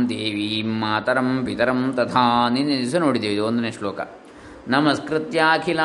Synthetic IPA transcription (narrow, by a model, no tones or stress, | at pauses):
nt̪eːʋimːaːt̪ɐɾɐmpit̪ɐɾɐmt̪ɐt̪ʰaːniniisɐnoːɽid̪iːʋid̪iond̪uneʂloːkɐ̰ | nɐmɐskɾɪt̪jaːkʰila